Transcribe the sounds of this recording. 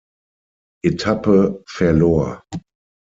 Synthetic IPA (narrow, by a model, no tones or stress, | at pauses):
ʔɪtʰapəfɛɐlɔɐ̰